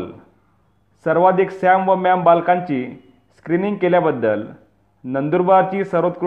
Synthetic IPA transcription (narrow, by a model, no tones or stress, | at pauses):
səɾʋad̪ʱiksamʋəmjambalkãɲt͡ɕiː | skɾiniŋɡ̚keljabəd̪ːəl | nənd̪uɾbat͡ɕiːsəɾot̪̚kɾ